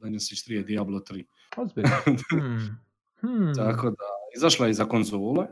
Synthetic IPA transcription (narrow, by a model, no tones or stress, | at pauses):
d̪aɲosiʃt̪ɾied̪iablˠot̪ɾiː | ozbi | t̪akod̪aizaʃlˠajezako̞nzoːle